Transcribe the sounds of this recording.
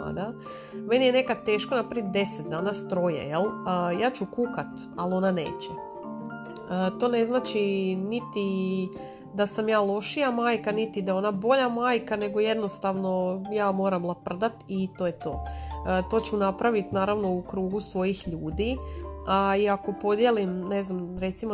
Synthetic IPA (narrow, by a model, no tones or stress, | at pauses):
a̰d̪a | me̞nijene̞kad̪̚t̪eːʃko̞napɾaʋit̪̚d̪e̞set̪d̪aːnast̪ɾo̞jḛjeləjaːt͡ɕukukat̪ | alo̞nane̞̰ːt͡ɕe | ət̪o̞ːne̞znaːt͡ʃinit̪i | d̪asamjaːlˠo̞ʃijamaːjkanit̪id̪ao̞nabo̞ʎamaːjkane̞ɡo̞je̞d̪no̞st̪aʋno̞jaːmo̞ːɾamlˠapr̩d̪at̪it̪o̞ːjet̪o̞ːət̪o̞ːt͡ɕunapɾaʋit̪naːɾaʋno̞ukɾuːɡusʋo̞jixʎuːd̪iaiako̞po̞d̪je̞limne̞znamɾe̞t̪simo